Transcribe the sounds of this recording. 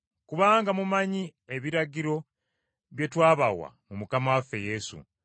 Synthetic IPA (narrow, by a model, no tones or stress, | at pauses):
kuβaːŋɡamumaɲie̞βiɾaɟiɾo̞ | βje̞twaːβawa̰mumukamawafːe̞je̞sṵ